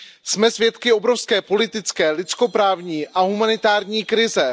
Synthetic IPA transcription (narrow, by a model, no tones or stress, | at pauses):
smɛsvjɛt̪kɪo̞bɾo̞fskɛːpo̞lɪt̪ɪt͡skɛːlɪt͡sko̞pɾaːvɲiːʔaɦumanɪt̪aːɾɲiːkɾɪzɛ